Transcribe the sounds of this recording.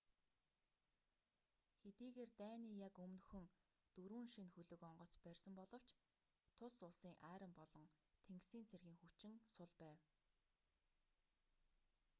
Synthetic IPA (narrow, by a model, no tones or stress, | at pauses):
xet̪iːɣeːrt̪æːniːjakɵmnxɵ̆ŋ | t̪ɵɾuːnʃinxɵɮɵ̆kɔɴɢɞ̆t͡spærʲsə̆mpɔɮɞ̆w̥t͡ɕ | t̪ʰʊsʊɮsiːŋʔæːɾə̆mpɔɮɞ̆ŋ | t̪ʰeŋksiːnt͡sʰerɣiːŋxut͡ɕɪ̆ŋsʊɮpæːw